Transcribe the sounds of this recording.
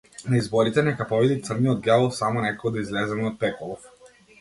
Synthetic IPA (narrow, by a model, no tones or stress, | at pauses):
naizbɔɾit̪ɛnɛkapɔvɛd̪it̪sərniɔd̪̚ɡalˠsamɔnɛkɔɡɔd̪aizlɛzɛmɛɔt̪̚pɛkɔlˠɔf